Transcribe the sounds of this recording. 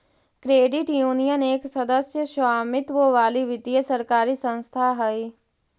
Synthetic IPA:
kɾeːɖɪʈjuːnijəneːksɐd̪əsjəʃaːmɪt̪ʋoʋaːliʋɪd̪ijəsɐɾkaːɾisə̃nst̪ʰaɦɐi

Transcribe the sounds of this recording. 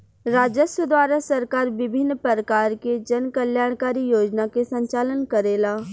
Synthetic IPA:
ɾaːd͡ʒəsəd̪ʋaːɾasəɾkaːɾʋɪbʱɪnːpəɾəkaːɾked͡ʒənkəljaːɽ̃kaːɾijoːd͡ʒnakesə̃ɲt͡ʃaːlənkəɾeːlaː

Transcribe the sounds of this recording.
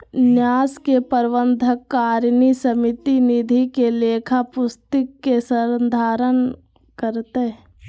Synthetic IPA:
njaːskepəɾʋənd̪ʱəkːaːɾnisəmɪt̪inid̪ʱikeleːkʰapʊst̪əkːesəɾd̪ʱaːɾən | kəɾt̪e

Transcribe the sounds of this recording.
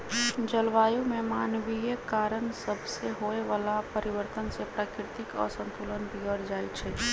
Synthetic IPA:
d͡ʒəlʋaːjumemanʋijekaɾənsəbʱseɦoeʋalapəɾiʋəɾt̪ənsepɾaːkɾɪt̪ikɔ̰ɾsə̃nt̪ulənbʱiɡəɾd͡ʒajt͡ʃʰɛ

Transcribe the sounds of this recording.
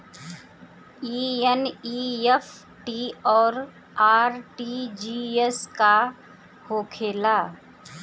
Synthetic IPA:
iːeniːef | ʈiɔːɾ | aːɾʈid͡ʒiːeska | hoːkʰeːlaː

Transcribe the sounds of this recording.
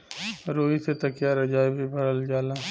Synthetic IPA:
ɾoːiset̪ɐkjaːɾɐd͡ʒaːibʱibʱəɽ̤əld͡ʒaːlaː

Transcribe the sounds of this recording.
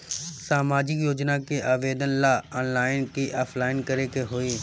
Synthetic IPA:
saːmaːd͡ʒɪkjoːd͡ʒnakiʔaːʋeːd̪ənlaːɔːnlaːɪnkiʔaːpʰlaːɪnkɐɾekeɦoːiː

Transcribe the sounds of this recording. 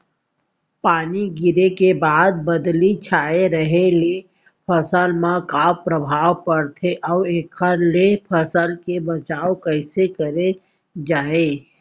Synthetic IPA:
paːniɡɪɾekebaːd̪̚bəd̪lit͡ʃʰaːeɾəɦele | pʰəsəlmãkaːwpɾəbʱaːwpəɾt̪ʰeʔɔːeːkʰəɾlepʰəsəlkebət͡ʃaːõkəɪsekəɾe | d͡ʒaːeː

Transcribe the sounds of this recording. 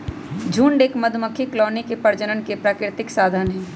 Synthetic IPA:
d͡ʒʱũːɳɖeːkmɐd̪ʱməkʰːiklɔːnikepɐɾd͡ʒənənkepɾaːkɾɪt̪ɪksaːd̪ʱaːnɦɛ̃ː

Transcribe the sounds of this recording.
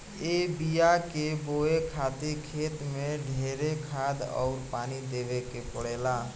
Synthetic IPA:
eːbijakeboːekʰaːt̪ikʰeːt̪mẽɖʱeːɾekʰaːd̪ɔ̰ːʊɾpaːnid̪eːʋekepəɽeːlaː

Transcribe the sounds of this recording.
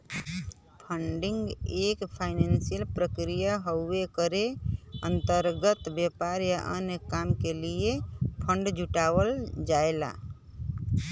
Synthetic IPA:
pʰəɳɖĩŋɡekpʰaɪnensijəlpɾəkɾijaɦouekəɾeənt̪əɾɡət̪bjepaɾjaʔənjəkamkeliepʰə̃ɳɖd͡ʒʱuʈawəld͡ʒaela̰

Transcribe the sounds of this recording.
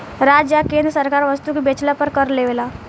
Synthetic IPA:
ɾad͡ʒjakẽnd̪ɾəsəɾkaɾʋəst̪ukibet͡ʃlapəɾkəɾleʋela

